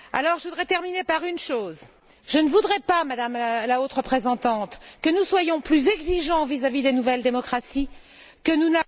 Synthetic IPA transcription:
a̰lɔʁʒəvud̪ʁɛt̪ɛʁminepaʁynʃoːz | ʒ̥ənəvud̪ʁɛpamad̪amlaot̪ʁəpχezɑ̃t̪ɑ̃t̪kənuswajɔ̃plyzɛɡziʒɑ̃vizavid̪enuvɛld̪emɔkχasi | kənuna

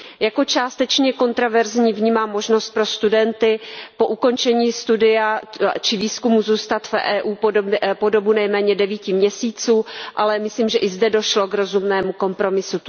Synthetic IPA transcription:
jako̞t͡ʃaːst̪ɛt͡ʃɲɛko̞nt̪ɾovɛɾzɲiːvɲiːmaːmːo̞ʒno̞st̪̚pɾo̞st̪udɛnt̪ɪpo̞ʔuko̞nt͡ʃɛɲiːst̪udɪjat͡ʃɪviːskumuzuːst̪at̪fʔɛːʔuːpo̞dobunɛjmɛːɲɛdɛviːcɪmɲɛsiːt͡suːʔalɛmɪsliːmʒɛʔɪzdɛdo̞ʃlo̞ɡɾo̞zumnɛːmuko̞mpɾo̞mɪsu

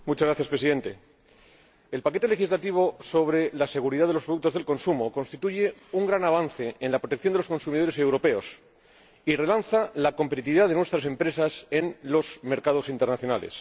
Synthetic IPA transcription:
mut͡ʃazɣɾaθjaspɾesiðe̞nt̪e̞ | elpake̞t̪ele̞xizlat̪iβo̞so̞βɾe̞lase̞ɣ̞uɾiðaðelo̞spɾo̞ðuk̚t̪ozðe̞lko̞nsumoko̞nst̪it̪uʝe̞uŋɡɾanaβ̞anθe̞enlapɾot̪ekθjondelosko̞nsumiðoɾe̞se̞wɾo̞pe̞o̞s | ire̞lanθalako̞mpet̪it̪iβiðaðe̞nwe̞st̪ɾase̞mpɾe̞sase̞nlo̞zme̞ɾkaðo̞sint̪e̞ɾnaθjo̞nale̞̰s

